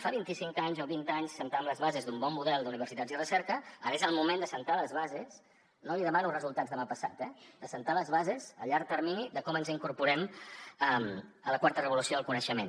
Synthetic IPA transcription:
faβint̪isiŋkaɲzoβint̪aɲsːənt̪amləzβazezd̪umbɔmːuðɛlˠd̪uniβ̞ərsit̪ad͡zirəsɛɾkəə̰ɾezəlˠmumend̪əsənt̪aləzβazes | noliðəmanurəzulˠt̪ad͡zðəmapəsa̰t̪ɛd̪əsənt̪aləzβazezəʎaɾ̚t̪əɾminiðəkɔmənziŋkuɾpuɾɛməmələkwaɾt̪ərəβulusioðəlˠkunəʃəmen

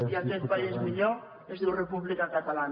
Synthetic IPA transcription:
iak̪eθpaezmiʎo | ezðurepuβlikakat̪alan

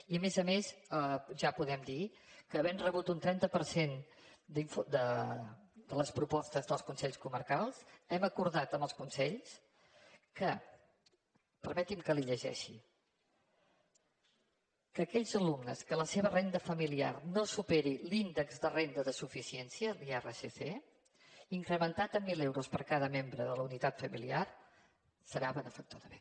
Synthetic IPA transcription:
iəmezəmesəʒapuðɛmd̪i | kəːβɛnrəβut̪unt̪ɾɛnt̪əpəɾsen | d̪iɱfud̪ə | d̪ələspɾupɔst̪əzðəlˠskunsɛʎskuməɾkalˠsɛməkuɾðat̪əmbəlˠskunsɛʎs | kə | pəɾmɛt̪imkəliʎəʒɛ̰ʃi | kəkɛʎzəlumnəskələseβərend̪əfəmilia̰rnosupeɾilind̪əkzðərend̪əðəsufisiɛnsiəðiɛrəsese | iŋkɾəmənt̪at̪əmːilewɾuspəɾkaðəmembɾəðələunit̪at̪fəmiliar | səɾaβənəfək̚t̪uðəβe

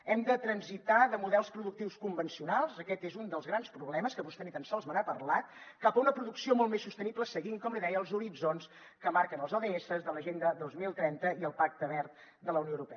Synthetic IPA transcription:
ɛmd̪ət̪ɾənzit̪aðəmuðɛlˠspɾuðuk̚t̪iwskumbənsiunalˠzəkɛt̪ezund̪əlˠzɣɾanspɾuβlɛməskəβust̪ɛnit̪ənsɔlˠzβənapərlat̪̚kapəunəpɾuðuksiomɔlˠt̪mesːust̪ənipləsəɣiŋkɔmliðɛjəəlˠzuɾid͡zons | kəmaɾkənəlˠzɔðeesəzðələʒend̪əðozmilˠt̪ɾɛnt̪əiəlˠpak̚t̪əβɛrt̪̚ | d̪ələwnioəwɾupɛ

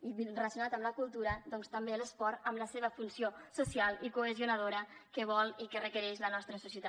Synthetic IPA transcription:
iβrələsjunat̪əmləkulˠt̪uɾəd̪ɔnst̪əmbeələspɔɾt̪əmləseβ̞əfunsiosusialˠikuəziunəðoɾəkəβ̞ɔlˠikərəkəɾɛʃlənɔst̪ɾəsusjət̪a

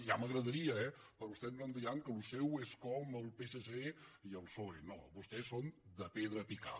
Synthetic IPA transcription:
ʒaməɣɾəðəɾiəɛpəɾɔust̪ɛmrənd̪iaŋkəlusɛweskɔməlˠpeseseiəlˠsoeno̰βust̪ɛsond̪əpeðɾəpika̰

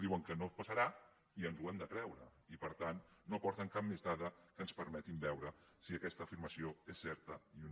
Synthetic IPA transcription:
ðiwəŋkənopəsəɾa | iənzwɛmd̪əkɾɛwɾəipəɾt̪anːopɔɾt̪əŋkap̚mezðaðəkəːnspəɾmɛt̪imbɛwɾəsiəkɛst̪əːfiɾməsioesːɛɾt̪əiu

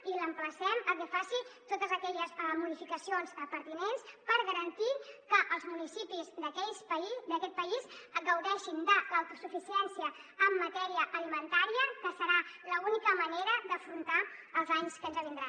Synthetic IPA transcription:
iləmpləsɛməlkɛfasit̪ot̪əzəkɛʎəzmuðifikəsionzəpəɾt̪inenspəɾɣəɾənt̪ikəʔəlˠzmunisipizd̪əkɛʎspəid̪əkɛt̪̚pəizɡəwðɛʃind̪ələwt̪usufisiɛnsiəəmːət̪ɛɾiəʔəlimənt̪aɾiəkəsəɾaləunikəməneɾəd̪əfɾunt̪aəlˠzaɲskənzəβind̪ɾa

